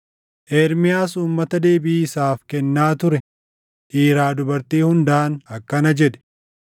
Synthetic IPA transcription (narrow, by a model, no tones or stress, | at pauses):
ʔeːɾmɪjaːsuːmːɐt̪ɐd̪e̞ːbɪːɪsaːfkɛnːaːt̪ʊɾɛ | ʔiːɾaːd̪ʊbɐɾt̪iːhʊnd̪aʔnɐkːɐnɐd͡ʒɛᶑ̪ɛ̥